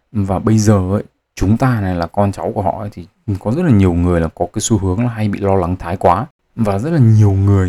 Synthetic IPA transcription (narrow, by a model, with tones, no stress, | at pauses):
vaː˨˩ɓə˧jzəː˨˩ʔə˧˦j | t͡ɕʊ˨˦ŋ͡mt̪aː˧na˨˩jlaː˨˩kɔ˧nt͡ɕa˨˦wku˧˩əhɔ̰˧˨ʔə˨˦jt̪ʰi˨˩kɔ˨˦zə˦˥t̚laː˨˩ɲi˨˩əwŋɨ˨˩əjlaː˨˩kɔ˨˦kaː˨˦jsu˧hɨ˨˦əŋlaː˨˩ɦa˧jɓḭ˧˨lɔ˧la˨˦ŋt̪ʰaː˨˦jkwaː˨˦ | vaː˨˩zə˦˥t̚laː˨˩ɲi˨˩əwŋɨ˨˩əj